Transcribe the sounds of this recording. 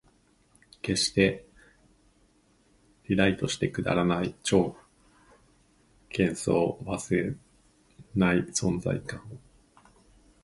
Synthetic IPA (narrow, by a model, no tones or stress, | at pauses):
ke̞ɕi̥t̪e̞ | ɾʲiɾait̪o̞ɕi̥t̪e̞kɯ̟d̪a̰ɾanait͡ɕo̞ːɯ̥ | kʰẽ̞ɰ̃so̞̰ːβasɨe | naisõ̞nd͡za̰ikãɰ̃o